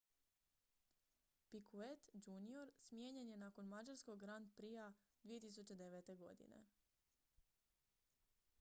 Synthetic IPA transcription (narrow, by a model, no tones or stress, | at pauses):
pikʰuet̪d͡ʑunio̞ɾsmje̞ːɲe̞nje̞naːko̞nmad͡ʒaɾskoɡɡɾand̪̚pɾia | d̪ʋijet̪is̬ut͡ɕe̞d̪e̞ʋet̪e̞ɡo̞̰d̪ḭnḛ